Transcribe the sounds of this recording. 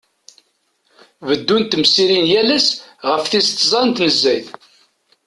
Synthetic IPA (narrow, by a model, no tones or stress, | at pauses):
vəd̪ːunt̪ːmsiɾinjælæsʁəfθist̪ːzˤɑnt̪nəzːæjθ